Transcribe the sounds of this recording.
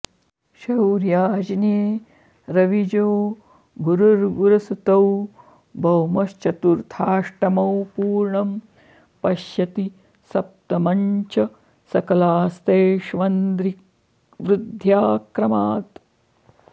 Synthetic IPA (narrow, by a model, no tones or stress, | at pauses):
ʃɐwɾjaːd͡ʒneː | ɾɐʋid͡ʒoː | ɡuɾuɾɡuɾɐsut̪ɐw | bʱɐwmɐʃt͡ʃɐt̪uɾt̪ʰaːʂʈɐmɐwpuːɾɳɐm | pɐʃjɐt̪i | sɐp̚t̪ɐmɐɲt͡ʃɐ | sɐkɐlaːst̪eːʃʋɐnd̪ɾik | ʋɾɪd̪ʱjaːkɾɐmaːt̪